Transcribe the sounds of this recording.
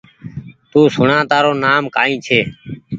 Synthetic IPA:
t̪uːsʊɳãːt̪aːɾoːnaːmkaːĩːt͡ʃʰeː

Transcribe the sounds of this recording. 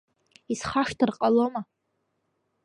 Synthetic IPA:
isχaʂtʰɨrqʼaloma

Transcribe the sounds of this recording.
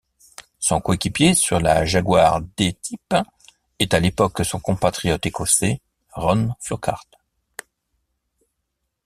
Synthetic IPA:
sɔ̃koekʲipjesyʁla̰ʒaɡwaʁd̪et̪ʰip | ɛt̪alepɔkːəsɔ̃kɔ̃pat̪χijɔt̪ekɔse | ʁɔnfyʁka̰ʁt̪

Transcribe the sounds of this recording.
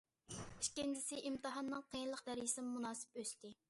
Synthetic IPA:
iʃkʲɪnd͡ʒɪsɪʔimt̪ɨɦɑnːɨŋqʰejnlˠəqd̪æɾjisɪnmːunɑːsɪ̥pøst̪ɪ

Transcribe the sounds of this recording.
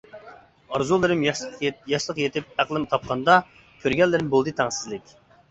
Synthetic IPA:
ɑɾzulˠɨɾɨmjɑʃlˠəqjet̪ʰɪp̚æqlˠɨmt̪ʰɑp̚qʰɑnd̪ɑ | kʲʰøɾɡʲɛlːɪɾɪmbolˠd̪ɨt̪ʰɑŋsɪzlɪkʲ

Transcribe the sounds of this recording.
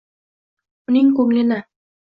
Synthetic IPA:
uniŋkɵŋlenæ

